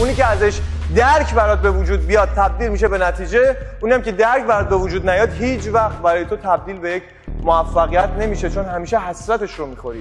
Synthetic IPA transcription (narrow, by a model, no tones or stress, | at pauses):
ʔuniːceæzeʃd̪æɾkʰbæɾɒːd̪̚be̞vud͡ʒuːd̪̚bijɒːd̪̚t̪ʰːæb̚d̪iːlmiʃebe̞næt̪ʰiːd͡ʒeuniæmcʰed̪æɾkʰbæɾɒːd̪̚be̞vud͡ʒuːd̪næjɒːd̪hiːt͡ʃʰvæxt̪̚bæɾɒːjet̪ot̪ʰæb̚d̪iːlbe̞jecʰ | moæfːæɣijæt̪ʰne̞miːʃet͡ʃʰo̞nɦæmiːʃeɦæsɾæt̪e̞ʃɾomiːxo̞ɾiː